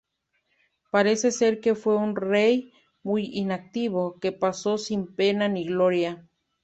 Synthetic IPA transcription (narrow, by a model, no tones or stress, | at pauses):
paɾeseseɾkefweunrej | mujinak̚t̪iβokepasosimpenaniɣloɾja